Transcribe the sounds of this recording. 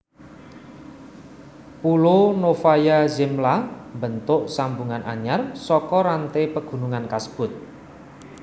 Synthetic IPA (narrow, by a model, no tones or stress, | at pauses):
pulonofajazɪmlambənt̪ʊʔsambuŋanʔaɲarsɔkɔɾant̪epəɡ̥ṳnuŋankasə̥b̥ʊt̪̚